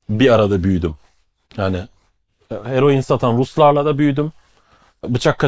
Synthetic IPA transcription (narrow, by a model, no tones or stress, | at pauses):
biaɾad̪abyjd̪ym | jaːnɪ | he̞ɾo̞jinsat̪ʰanɾuslˠaɾlˠad̪abyjd̪ym | bɯt͡ʃʰakʰːa